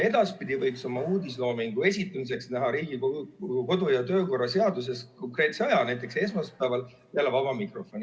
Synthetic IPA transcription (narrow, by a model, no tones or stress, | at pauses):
e̞d̪̥ɑspid̪̥ivɤjkso̞lmːɑuːd̪is̬lo̞ːmiŋɡ̥ue̞s̬ʲit̪ːˑumis̬e̞ksnæɦɑɾiːɡ̥ikoko̞d̪̥ujɑt̪ø̞ːko̞rːɑse̞ɑd̪us̬e̞sko̞ŋkre̞ːt̪se̞ɑjɑnæjt̪ːˑe̞kse̞s̬mɑspæːvɑl | eælːevɑbɑmikro̞fo̞nʲi